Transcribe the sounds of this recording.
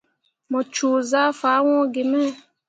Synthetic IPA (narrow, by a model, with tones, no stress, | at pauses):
mɔ˨t͡ʃuː˨za˦fa˨˦wɔ̃˦ɡe˨mɛ˦